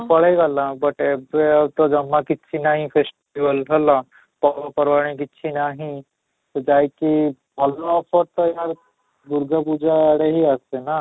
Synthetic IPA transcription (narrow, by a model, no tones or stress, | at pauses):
pɐɽeɡalãbɐʈebet̪od͡ʒɐmːãkɪtːʃʰinaːɦĩpʰeːsʈ | iʋəlɦɐla | pɐapɐɾʋaːɽ̃ĩk̬ɪtːʃʰinaːɦĩ | t̪od͡ʒaːjki | bʱɐlːapəɾt̪əjaɾ | bʊɾɡapuːd͡ʒaaɽeɦiasena